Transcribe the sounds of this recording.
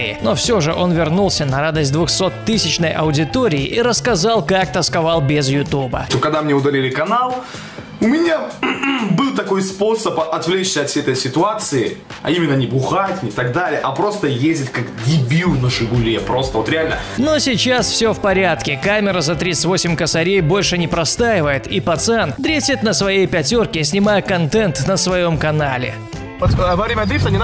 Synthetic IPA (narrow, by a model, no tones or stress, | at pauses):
ɪɪno̞fsʲo̞ʐɨʔo̞nvʲɪrnulˠsʲənɐɾad̪əsʲt̚ʲd̪vʊxso̞t̪ːɨsʲɪt͡ɕnəjʔɐ̰ʊdʲɪt̪o̞ɾʲɪ̰ːʔiɾəskɐzalˠkak̚t̪əskɐvalˠbʲɪzjʊt̪ubə̰t̪okɐɡ̚d̪amnʲeʊd̪ɐlʲilʲɪkɐnalˠ | ʊmʲɪnʲa | bɨlˠt̪ɐko̞jspo̞səpɐt̪vlʲet͡ɕsʲɐt̪fsʲejɛt̪əjsʲɪt̪ʊat̪sɨɪ | ɐ̰imʲɪnːənʲɪbʊxatʲnʲɪt̪ɐɡd̪alʲɪjəʔɐpɾo̞st̪əjezʲdʲɪtʲkakɡʲɪbʲilˠnəʂɨbʊlʲjepɾo̞st̪əvot̪ɾʲɪalʲnəno̞sʲɪt͡ɕasfsʲofpɐɾʲat̪kʲɪkamʲɪɾəzɐt̪ɾʲisɨ̥tʲvo̞sʲɪmʲkəsɐɾʲejbo̞lʲʂɨnʲɪpɾɐst̪ajɪvəjɪt̪ipɐt̪sɨand̪ɾʲesʲɪt̪nəsvɐjejpʲɐtʲo̞rkʲɪsʲnʲɪmajəkɐnt̪ɛnt̪nəsvɐjo̞mkɐnalʲɪ̰ | t̪vɐɾʲimʲɐd̪ɾʲift̪ənʲɪn